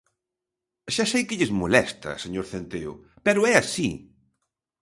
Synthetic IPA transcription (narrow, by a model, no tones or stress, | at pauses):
ʃasejkɪʎɪzmolɛst̪ɐ̰seɲoɾθent̪eʊ̰ | pɛɾʊɛasi